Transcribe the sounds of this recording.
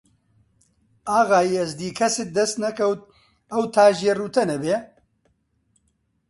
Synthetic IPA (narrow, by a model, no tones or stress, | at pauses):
aːɣaːjiɛzd̪iːkʰɐsɪt̪̚d̪ɐst̪nɐkɐwt̪̚ | ɐwt̪ʰaːʒeːruːt̪ʰɐnɐbeː